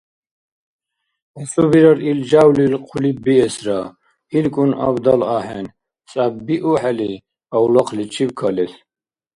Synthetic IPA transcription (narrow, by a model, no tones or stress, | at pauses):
usubiɾaɾild͡ʒawlilqʰulibiɛsɾa | ilkʼuna̰bd̪alaħɛn | t͡sʼabbiʔuħɛli | awlaqʰlit͡ʃʰibkʰalɛs